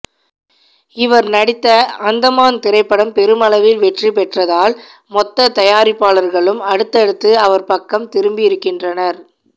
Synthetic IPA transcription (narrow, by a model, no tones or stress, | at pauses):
ɪʋɐɾnɐɽɪt̪ːɐɐnd̪ɐmaːnt̪ɪɾɐɪpːɐɽɐmpɛɾɯmɐlɐʋɪlʋɛʈripɛʈrɐðaːl | mɔt̪ːɐt̪ɐjaːɾɪpːaːlɐɾɣɐɭɯmɐɽɯt̪ːɐɽɯt̪ːɯɐʋɐɾpɐkːɐmt̪ɪɾɯmbɪjɪɾɯkːɪndrɐnɐɾ